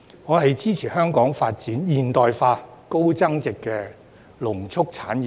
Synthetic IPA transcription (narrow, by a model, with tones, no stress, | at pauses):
ŋɔː˨˧ɦɐ˨jt͡siː˥t͡sʰiː˨˩hœː˥ŋkɔː˨˥ŋfaː˧t̚t͡siː˨˥njiː˨nt̪ɔː˨jfaː˧ko˥wt͡sɐ˥ŋt͡sɪ˨kːɛː˧ | lʊ˨˩ŋt͡sʰʊ˥k̚t͡sʰaː˨˥nː˨